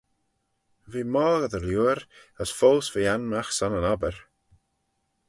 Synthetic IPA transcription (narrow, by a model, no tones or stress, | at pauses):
viːmɔːɣəðəɾljuːɾəsfɔlsviːanmaxsanənabəɾ